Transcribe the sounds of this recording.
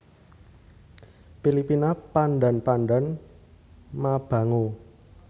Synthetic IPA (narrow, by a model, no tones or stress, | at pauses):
pilipinapanɖa̤npanɖan | mab̥a̤ŋo